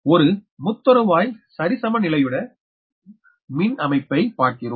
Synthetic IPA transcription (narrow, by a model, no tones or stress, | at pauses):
ɔɾɯmʊt̪ːɔɾɯʋaːjsɐɾɪsɐmɐnɪlɐjɯɽɐ | mɪnɐmɐɪpːɐɪpaːʈ̚kɪroː